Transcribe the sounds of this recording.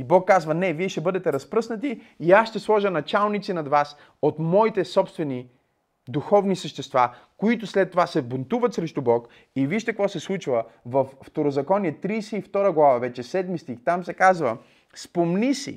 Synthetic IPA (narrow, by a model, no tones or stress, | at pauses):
ibɔkːazvənɛviɛʃt̪ɛbɤd̪ɛt̪ɛɾɐspɾɤsnət̪iː | asʃt̪ɛslˠɔʒənɐt͡ʃalˠnit̪sinɐd̪vas | ot̪mɔit̪ɛsɔpst̪vɛni | d̪uxɔvnisəʃt̪ɛst̪va | koit̪ʊslɛt̪ːovasɛbont̪uvət̪sɾɛʃt̪ubɔk | iviʃt̪ɛkvɔsɛslˠut͡ʃvəvɐfːt̪oɾozɐkɔniɛt̪ɾiːsɛift̪ɔɾəɡlˠavavɛt͡ʃɛsɛd̪mist̪ixt̪amsɛkazvə | spomnisḭ